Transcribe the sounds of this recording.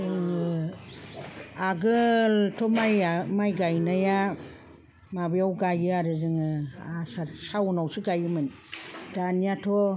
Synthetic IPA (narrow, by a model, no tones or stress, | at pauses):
ɯŋɯ | aɡɯltʰɔmajamajɡajnaja | mabijawɡajɯaɾɯzɯŋɯasasawnawsɯɡajɯmɯn | daniatʰo